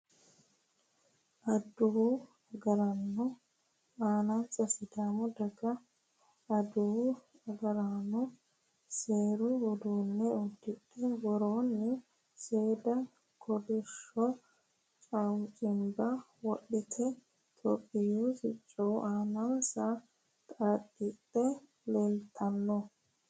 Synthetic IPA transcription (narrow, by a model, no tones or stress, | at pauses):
ʔɐd̪ʊ | ɐɡɐɾɐnːʊ | aːnɐnsɐsɪd̪aːmɔd̪ɐɡɐː | d̪ʊw | ɐɡɐɾanʊ | seːɾʊwɔd̪uːnːɛɔd̪ːɪɗɛwɔɾoːnːɪ | seːd̪ɐ | kʰɔd̪ɪʃːɔ | t͡ʃʼɐwŋt͡ʃʼɪmbɐ | wɔɗːɪt̪ʰɛ | t̪ʼɔpʼːɪjusɪt͡ʃʼːɔwʔaːnɐnsɐ | t̪ʼɐdɪtːɛ | leːlt̪ʰɐnːɔ